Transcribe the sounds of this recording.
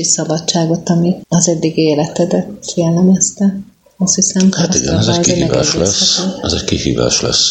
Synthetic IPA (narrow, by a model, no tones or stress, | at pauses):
isɒbɒt͡ʃt͡ʃːaːɡo̞t̪ɒmiɒzɛd̪ːiɡeːlɛt̪ɛd̪ɛt̪fiɛlːɛmɛst̪ɛ | ɒst̪hisɛmhat̪iɡɛ̰nɛzkiemiɛva̰ːʃlɛsɛzeɟkihḭːva̰ːʃlɛ̰s